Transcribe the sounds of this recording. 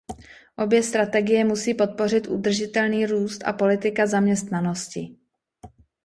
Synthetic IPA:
ʔo̞bjɛst̪ɾat̪ɛɡɪjɛmusiːpo̞t̪̚po̞rɪt̪ʔud̪r̩ʒɪt̪ɛlniːɾuːst̪a̰po̞lɪt̪ɪkazamɲɛst̪nano̞scɪ

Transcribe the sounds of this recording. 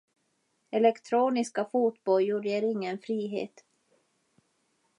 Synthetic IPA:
ɛlɛkt̪ʰɾoːnɪskafuːt̪bɔljuːɖeːɾɪŋːənfɾiːɦḛːt̪

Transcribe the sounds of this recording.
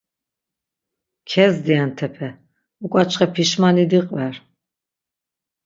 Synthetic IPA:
kʰɛzd̪iant̪ʰɛpʰɛ | ukʼat͡ʃʼχɛpʰiʃmanid̪iqʼvɛɾ

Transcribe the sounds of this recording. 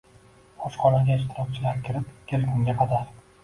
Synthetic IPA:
ɒʃqʰɒnaɡʲaɪʃ̬t̪ʰɪɾɒk̚ʲt͡ʃʰɪlaɾkʲɪɾɪpkʲʰelkʲʰʊŋɡʲaqʰɑd̪aɾ

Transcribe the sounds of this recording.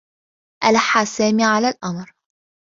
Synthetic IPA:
ʔalħaːsæːmiːʕalaːlʔamɾ

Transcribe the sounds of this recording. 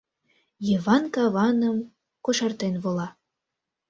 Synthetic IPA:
jiβɑnkɑβɑnəm | koʃɑrt̪enβolɑ

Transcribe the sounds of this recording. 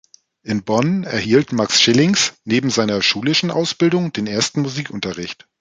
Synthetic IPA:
ʔɪnbɔnɛ̰ɐhiːltmaksʃɪlɪŋsneːbm̩zaɪnɐʃuːlɪʃn̩ʔa̰ʊsb̥ɪldʊŋdeːnʔeːɐstn̩muziːkʔʊntɐʁɪçt

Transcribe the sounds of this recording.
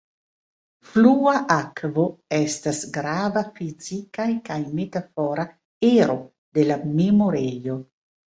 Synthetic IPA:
fluaʔakvo̞estasɡɾavafizikajkajme̞tafoɾa | eɾo̞ | de̞lame̞mo̞ɾejo̞

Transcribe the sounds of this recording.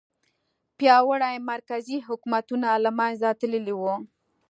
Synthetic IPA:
pjɑwəɽajmaɾkaziɦʊkmat̪unalamajzat̪ələliwu

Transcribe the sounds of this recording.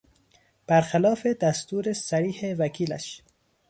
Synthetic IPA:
b̥æɾxælɒːfed̪æst̪uːɾesæɾiːhevækʰiːlæ̰ʃ

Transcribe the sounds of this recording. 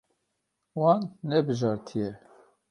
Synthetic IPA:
wɑːnːɛbɨʒɑːɾt̪ʰijɛ

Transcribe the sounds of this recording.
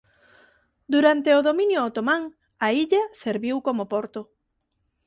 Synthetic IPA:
d̪uɾant̪eʊðomĩnjʊot̪omãŋ | aiʎaseɾβiwkomopoɾt̪o

